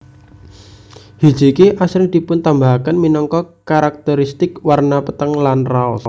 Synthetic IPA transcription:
hi̥d͡ʒ̥ikiʔasɾɪd̪̥i̤pʊnt̪ambaɦkənminɔŋkɔkaɾak̚t̪əɾist̪ɪkwarnapət̪əŋlanraɔs

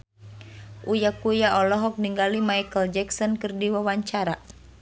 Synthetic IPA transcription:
ʔujakujaʔɔlɔɦɔk̚niŋɡalimajkəld͡ʒɛksɔnkɨrdiwawaɲt͡ʃaɾa

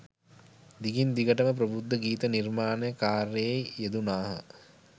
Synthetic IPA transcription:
d̪iɡind̪iɡəʈəməp̬ɾəbud̪ːəɡiːt̪ənirmaːnəjəkaːɾejejːed̪unaːɦə̰

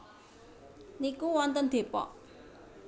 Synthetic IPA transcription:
nikuwɔnt̪ənd̪̥e̤pɔ̰ʔ

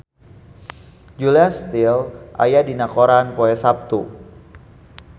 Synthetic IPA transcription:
d͡ʒuliast̪ilʔa̰jadinakoɾanpoɛsap̚t̪u

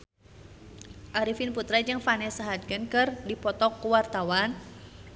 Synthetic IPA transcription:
ʔaɾifinput̪ɾad͡ʒɨŋfanɛsaɦad̪̚kɨnkɨrdipɔt̪ɔkːuwart̪awan

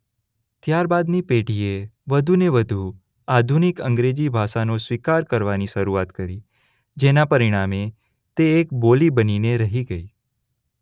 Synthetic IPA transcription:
t̪jaɾbad̪nipeʈieʋəd̪ʱuneʋəd̪ʱu | ad̪ʱunikə̃ŋɡɾed͡ʒibʱaʃanosʋikaɾkəɾʋaniʃəɾuat̪kəɾi | d͡ʒenapəɾiɽ̃ame | t̪eːkbolibənineɾəɦiɡəi

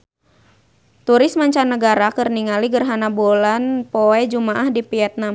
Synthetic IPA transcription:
t̪uɾɪsmaɲt͡ʃanːəɡaɾakɨrniŋaliɡərɦanabolanpoɛd͡ʒumaʔahdipiɛt̪̚nam

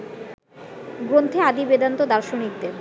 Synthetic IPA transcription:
ɡɾont̪ʰead̪ibed̪ant̪od̪aɾʃonik̚d̪eɾ

